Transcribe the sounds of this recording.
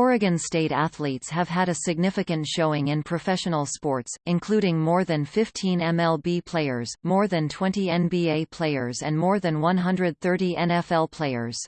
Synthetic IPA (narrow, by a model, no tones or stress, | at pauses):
ɔɹɨɡɨ̃nsteɪɾæθlitshɨv̥ɨɾɨsɨɡ̚nɪfɨkɨ̃ntʃoʊɪ̃ŋɨ̃npʰɹ̥ɨfɛʃɨnl̩ˠspɔɹtsɨ̃nkʰl̥uɾɪ̃ŋmɔɹðɨ̃nfɪftʰĩnɛ̃mɛlˠbipʰl̥eɪə̰˞z̥mɔɹðɨ̃ntʰw̥ɛ̃ntiɛ̃nbieɪpʰl̥eɪə˞zɨ̃nmɔɹðɨ̃nwʌ̃nɦʌ̃ndɹɨd̪̚θɜ˞ɾiʔɛ̃nɛfɛlˠpʰl̥eɪə̰˞z̥